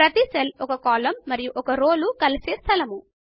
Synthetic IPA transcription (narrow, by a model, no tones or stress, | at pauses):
ɾɐt̪iselɔkɐkaːlɐmːɐɾijuʔɔkɐɾoːlukɐliseːst̪ʰɐlɐmu